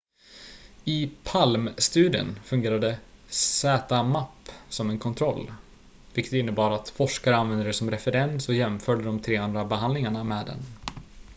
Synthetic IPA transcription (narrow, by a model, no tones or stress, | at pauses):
ɪpʰalmst̪ʉ̟ːd̪ɪə̰nfɵnŋɡeːɾad̪əsɛːt̪amapːsɔmɛnkʰɔnt̪ʰɾɔlː | vɪkːət̪ɪnːəbɑːɾat̪fɔʂkaɾəanvɛnd̪əɛsɔmɾɛfɛɾɛnsɔjɛmfœːɖəɖ̪ɔmt̪ʰɾeːand̪ɾabɛɦand̪lɪŋaɳamɛːd̪ɛ̰n